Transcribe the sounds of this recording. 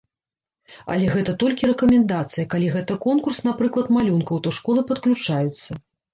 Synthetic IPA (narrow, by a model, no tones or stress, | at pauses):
ɐ̰lʲɛɣɛt̪ɐt̪ɔlʲkʲiɾɛkɐmʲɛnd̪at̪sɨjɐkalʲiɣɛt̪ɐkɔnkursnapɾɨklˠɐt̪malʲunkɐwt̪ɔʂkɔlˠɨpɐt̪klʲut͡ʂajut̪sːɐ